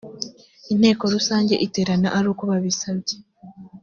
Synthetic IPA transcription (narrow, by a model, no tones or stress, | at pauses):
inhe̞ːko̞ɾusaːɲɟe̞ʔite̞ːɾana̰ʔaɾuːko̞βaβisabɟe